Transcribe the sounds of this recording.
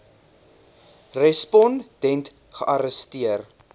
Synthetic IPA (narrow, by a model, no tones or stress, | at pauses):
rɛspɔnd̥ɛnt | χəʔɐɾəstiər